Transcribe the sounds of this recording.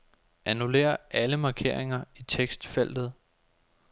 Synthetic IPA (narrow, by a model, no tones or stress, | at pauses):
ʔænule̝̰ːɐʔæləmɑ̈ːkʰe̝̰ɐ̰e̝ŋɐit͡sʰeɡ̥sd̥fel̰d̥ð̩ˠ